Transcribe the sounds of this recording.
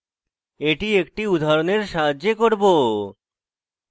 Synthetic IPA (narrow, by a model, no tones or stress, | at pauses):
eʈiekʈiud̪ʱaɾoneɾʃaɦad͡ʑːekoɾbo